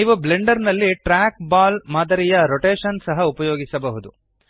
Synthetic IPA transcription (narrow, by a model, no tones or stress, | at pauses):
iːʋubleɳɖɐɾnɐlːiʈɾaːk̚baːlmaːd̪ɐɾijɐɾoʈeːʃɐnsɐɦɐupɐjoːɡisɐbɐɦud̪u